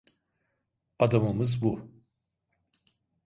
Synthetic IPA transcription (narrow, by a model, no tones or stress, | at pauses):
ad̪amɯmɯzbu